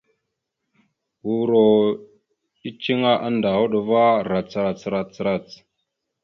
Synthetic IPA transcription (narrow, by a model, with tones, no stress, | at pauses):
wu˨ɾo˨ | i˦t͡ʃi˦ŋa˦ʔa˦nda˨wo˦ɗo˨va˦ɾa˨t͡sɾa˨t͡sɾa˨t͡sɾa˨t͡s